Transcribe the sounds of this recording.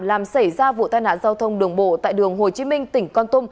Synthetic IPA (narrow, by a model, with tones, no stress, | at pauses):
laː˨˩msa˧˩jzaː˧vṵ˧˨t̪aː˧jna̰ː˧˨nzaː˧wt̪ʰə˧wŋ͡mɗɨ˨˩əŋɓo̰˧˨t̪a̰ː˧˨jɗɨ˨˩əŋɦo˨˩t͡ɕi˨˦mï˧ŋ̟t̪ï˧˩˦ŋ̟kɔ˧nt̪ʊ˧m